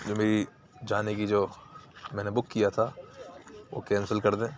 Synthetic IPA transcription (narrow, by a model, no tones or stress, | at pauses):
d͡ʒoːmeːɾi | d͡ʒaːnekid͡ʒoːmɛ̃ːnebʊkːijat̪ʰa | ʋo̰ːkɛ̃ːnsəlkɐɾd̪ẽː